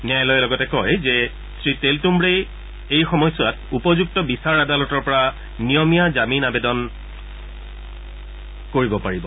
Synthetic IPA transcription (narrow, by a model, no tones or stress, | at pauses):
nijajlɔjɛlɔɡɔtɛkɔjzɛ | sɹiteltumbɹej | ejxɔmɔjsʊwat̚upɔzuk̚tɔbisaɹadalɔtɔɹpɔɹa | nijɔmijazaminabedɔn | koɹibɔpaɹibɔ